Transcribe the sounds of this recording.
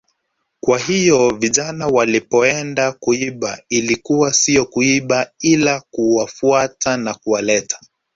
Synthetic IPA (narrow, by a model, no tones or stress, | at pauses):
kwahijɔviʄanawalipɔɛndakuiɓailikuwasijɔkuiɓailakuwafuatanakuwalɛtʰḁ